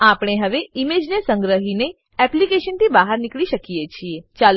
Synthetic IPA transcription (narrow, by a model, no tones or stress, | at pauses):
apɽ̃eɦəʋeimed͡ʒnesə̃ŋɡɾəɦine | ɛplikeʃənt̪ibaɦəɾnɪkɭiʃəkiet͡ʃʰiet͡ʃal